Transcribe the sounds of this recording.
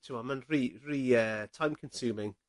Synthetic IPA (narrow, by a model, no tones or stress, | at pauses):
tʰəamə̃nɹiɹiːətʰãɪ̃mkʰə̃nsʉːmɪ̃ŋ